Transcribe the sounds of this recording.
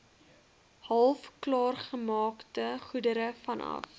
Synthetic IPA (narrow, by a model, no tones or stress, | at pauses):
hɐlˠfklɑːrχəmɑːktəχudəɾəfɐnɐ̰f